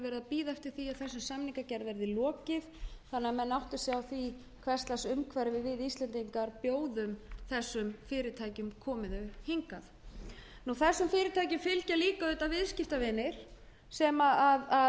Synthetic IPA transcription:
vɛːɾɪðapiːðaɛft̪ɪɾ̥θiaðθɛsːʏmsamniŋkacɛɾðvɛɾðɪlɔːcɪθθanːɪamɛnːawht̪ʏ̥sjawθvi | kʰv̥ɛr̥st̪lasʏmkʰvaɾɪvɪðvɪðist̪lɛnt̪iŋkaɾpjoːwðʏmθɛsːʏmfɪːɾɪt̪ʰaːjcʏmkʰɔːmɪðœhɪŋkaθ | nuθɛsːʏmfɪːɾɪt̪ʰajcʏmfɪlcaliːkaʏːt̪avɪðscɪft̪avɪːnɪɾ̥ | sɛmaaa

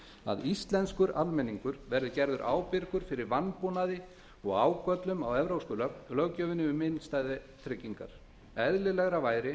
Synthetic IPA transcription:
a̰ðist̪lɛnskʏɾalmɛnːiŋkʏɾvɛɾðʏcɛɾðʏɾʔa̰ːwpɪɾkʏɾ̥fɪɾɪɾvanpunaðɪ | ɔɣaːwkœt̪lʏmawɛvɾowskʏːlalœɣcœːvɪnɪʏmɪnst̪ajðɪ | t̪ʰɾɪcːiŋka̰ɾ̥ | ɛðlɪlɛɣɾavaːjɾɪ

